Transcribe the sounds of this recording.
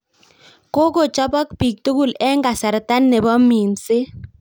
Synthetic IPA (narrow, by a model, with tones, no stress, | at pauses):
ko˦ko˦˨t͡ʃɔ˦bɔ˦kpi˨k̚to˦ɡu˦˨lɛ˦ŋɡa˨sa˨ɾta˦nːɛ˨bɔ˦mi˨nsɪ˦